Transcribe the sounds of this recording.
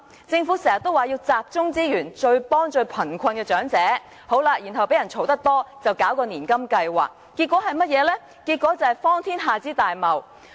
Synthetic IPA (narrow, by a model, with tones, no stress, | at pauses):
t͡sɪ˧ŋfu˨˥sɛː˨˩sɐ˨t̪o˥waː˨˩jiː˧wt͡saː˨p̚t͡ʃʊ˥ŋt͡siː˥jyː˨˩nt͡ʃɵ˧ɥpɔː˥ŋt͡ʃɵ˧ɥpʰɐ˨˩nkʷʰɐ˧nkɛː˧t͡ʃœː˨˥ŋt͡sɛː˨˥ | ho˨˥wlaː˧jyː˨˩nɦɐ˨wpe˨˥jɐ˨˩nt͡ʃʰo˨˥wt̪ɐ˥k̚t̪ɔː˥t͡sɐ˨wkaː˨˥wkɔː˧niː˨˩nkɐ˥mkɐ˧jwa̰ː˨kːi˧t̚kʷːɔː˨˥ɦɐ˨jmɐ˥t̚jɛː˨˧lɛː˥ | kiː˧t̚kʷːɔː˨˥t͡sɐ˨˩hɐ˨˩jfɔː˥ŋt̪ʰiː˥nɦaː˨t͡siː˥t̪aː˨jmɐ˨˩w